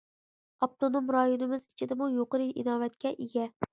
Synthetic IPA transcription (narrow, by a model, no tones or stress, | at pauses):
ɑp̚t̪ʰonomɾɑjonɪmɪzɪt͡ʃʰɪd̪ɪmujoqɨɾɨʔinɑːvæt̪kʲɛʔeɡʲɛ